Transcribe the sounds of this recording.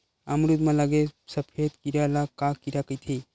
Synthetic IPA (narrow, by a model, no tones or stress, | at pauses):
əmɾud̪mãlaɡesəpʰed̪kiɾalakakiɾakəjt̪ʰi